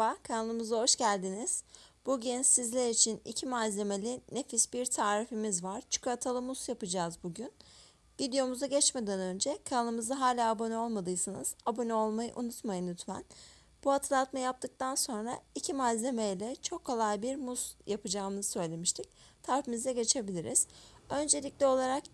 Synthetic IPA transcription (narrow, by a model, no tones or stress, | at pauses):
akʰanalˠɯmɯzaɦo̞ʃɟælʲd̪iniz̥b̥uɟinsizlʲeɾit͡ʃʰinḭcʰimazlʲe̞me̞lʲine̞fisbiɾt̪ʰaːɾifimizvaɾ̥t͡ʃʰu̥kuat̪ʰalˠɯmusjapɯd͡ʒaːzbuɟyn | vid̪ejo̞muzaɟɛt͡ʃme̞d̪ænø̞nd͡ʒɛkʰanalˠɯmɯzaɦaːlʲaːbo̞nɛo̞lˠmad̪ɯjɯsɯnɯzabo̞nio̞lˠmajɯ̰ʔṵnut̪majɯnːyt̪mæ̰n | b̥uhat̪ʰɯlˠat̪majap̚t̪ʰɯk̚t̪ʰanso̞nɾaicʰimazlʲe̞mejlʲɛt͡ʃʰo̞kʰːo̞lˠajbiɾmusjapʰɯd͡ʒaːnɯzsø̞jlʲe̞miʃt̪ʰic̚t̪ʰaɾifimizd̪ɛɟe̞t͡ʃʰe̞bilʲiɾiz̥ø̞nd͡ʒe̞lʲicʲlʲɛo̞lˠaɾak